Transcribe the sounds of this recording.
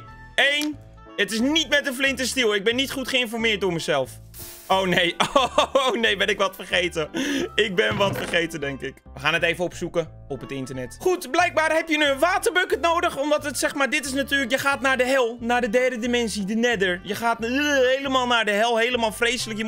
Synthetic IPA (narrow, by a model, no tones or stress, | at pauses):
ejn | ətɪsnitmɛtənflɪntəstilˠɪɡ̚bɛnːitχutχəɪnfɔrmɪːɹtdoməzɛlˠf | ownejoonejbɛnɪkʋɔtfərχejtəɪk̚bɪnʋɔtfərxejtədɛŋkɪkʋəxaːnəteːvəɔpsukə | ɔpətɪntərnɛtχutblɛjk̚baːrhɛpjənyənʋaːtərbøkətnowdəxɔmdɔtətsɛxmaːɹdɪtɪs̬natyːrlək̬jəxaːtnaːdəɦɛlˠnaːɹdədɛrdədimɛnsidənɛdəɹjəxaːtɦejləmaːlˠnaːɹdəɦɛlˠɦejləmaːlˠfrejsələkjə